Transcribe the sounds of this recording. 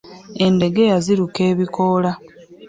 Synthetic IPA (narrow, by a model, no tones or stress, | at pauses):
e̞nde̞ɡe̞jaziɾuke̞ːβiko̞ːla